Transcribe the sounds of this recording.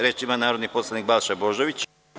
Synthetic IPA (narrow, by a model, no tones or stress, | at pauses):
ɾeːt͡ʃimanaːɾod̪nipo̞tslˠanik̚balʃebo̞ːʒeʋit͡ɕ